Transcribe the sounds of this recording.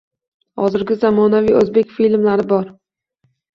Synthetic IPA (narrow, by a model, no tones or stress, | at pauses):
hɒ̰zɪɾɡʲɪzamɒnaviɵzbe̞kʲfilmlaɾɪbɒɾ